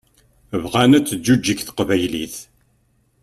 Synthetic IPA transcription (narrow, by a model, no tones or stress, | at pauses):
əvʁænæt͡sːd͡ʒːud͡ʒːikθqvæjlḭθ